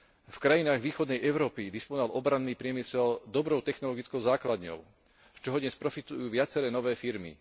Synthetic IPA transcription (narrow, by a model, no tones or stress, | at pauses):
fkɾajinaːɣʋiːxɔd̪nɛjʔɛʊɾɔːpid̪ispɔnɔʋalʔɔbɾanːiːpɾɪɛmisɛld̪ɔbɾɔʊt̪ɛxnɔlɔɡit͡skɔʊzaːklad̪ɲɔ̰ʊ | t͡ʃɔɦɔd̪ɲɛspɾɔfit̪ujuːʋɪat͡sɛɾɛːnɔʋɛːfiɾmḭ